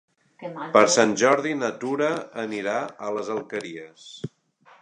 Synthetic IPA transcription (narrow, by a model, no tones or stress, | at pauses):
pəɾsanʲʒɔɾðinət̪uɾəːniɾaələzəlˠkəɾiəs